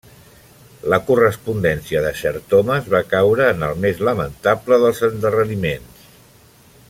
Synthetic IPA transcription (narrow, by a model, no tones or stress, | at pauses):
ləkurəspund̪ɛnsiəðəʃəɾt̪oməzβakawɾəːnəlˠmezləmənt̪apləðəlˠzənd̪ərənimens